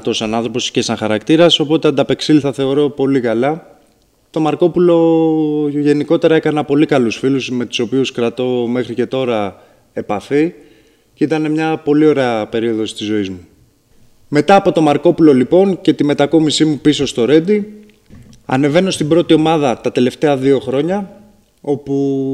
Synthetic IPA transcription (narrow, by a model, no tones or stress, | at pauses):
t̪osɐnɐnθɾo̞po̞si̥çesɐŋxɐɾɐkt̪iɾɐso̞po̞t̪e̞ɐnd̪ɐpe̞ksiliθɐθe̞o̞ɾo̞po̞likɐlɐ | t̪o̞mɐɾko̞pulo̞ | ʝe̞niko̞t̪e̞ɾɐe̞kɐnɐpo̞likɐlusfiluzme̞t̪u̥so̞piuskɾɐt̪o̞me̞xɾice̞t̪o̞ɾɐ | e̞pɐfi | ceit̪ɐne̞mɲɐpo̞lio̞ɾeɐpe̞ɾio̞ðo̞st̪izo̞izmu | me̞t̪ɐːpo̞t̪o̞mɐɾko̞pulo̞lipo̞nce̞t̪ime̞t̪ɐko̞misimupiso̞st̪o̞ɾe̞d̪i | ɐ̰ne̞ve̞no̞st̪ibɾo̞t̪io̞mɐðɐt̪ɐt̪e̞le̞ft̪e̞ɐðio̞xɾo̞ɲɐ | o̞pu